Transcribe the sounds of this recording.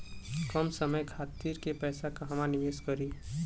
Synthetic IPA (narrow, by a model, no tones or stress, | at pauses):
kəmsəməjkʰaːt̪iːɾkepɛːsakaɦəmanɪʋeskəɾi